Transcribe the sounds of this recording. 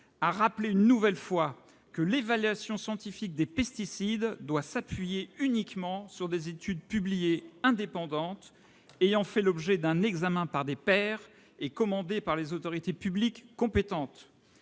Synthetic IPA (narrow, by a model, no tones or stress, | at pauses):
aʁapleynːuvɛlfwa | kəlevalɥasjɔ̃sjɑ̃t̪ifik̚d̪epɛst̪isid̪d̪wasapɥijeynikmɑ̃syʁd̪ezet̪yd̪̚pyblijeɛ̃d̪epɑ̃d̪ɑ̃t̪ | ejɑ̃fɛlɔbʒɛd̪ɛ̃nɛɡzamɛ̃paʁd̪epɛːʁ | ekɔmɑ̃d̪epaʁlezot̪ɔʁit̪epyblikːɔ̃pet̪ɑ̃t̪